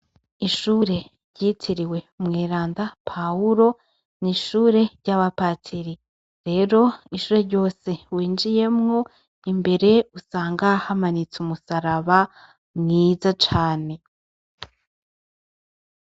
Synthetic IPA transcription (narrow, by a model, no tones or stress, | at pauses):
iʃuːɾe̞ | ɾɟiːtʰiɾiwe̞ | mŋeːɾaːndapʰauɾo̞ | niʃuːɾe̞ɾɟaβapaːtʰiɾi | ɾe̞ːɾo̞iʃuːɾe̞ɾɟo̞ːse̞wiːnd͡ʒije̞mŋo̞ | imbe̞ɾe̞usaːŋɡahamanit͡sumusaɾaβa | mŋiːzat͡ʃaːne̞